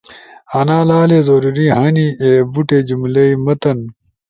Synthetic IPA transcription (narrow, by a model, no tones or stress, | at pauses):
ɐnaːlaːleːzoːɾuɾiɦɐniebuʈed͡ʑumlɐimɐt̪ɐn